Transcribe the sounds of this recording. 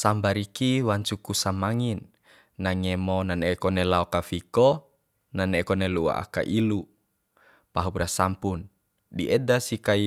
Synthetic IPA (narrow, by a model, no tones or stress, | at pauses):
sambaɾikiwaɲt͡ʃukusamaŋinː | aŋemɔnanekɔnelaokafikɔ | nanɛkɔnelua̰ʔa̰ka̰ʔilu | paɦuprasampun | diʔɛdasikai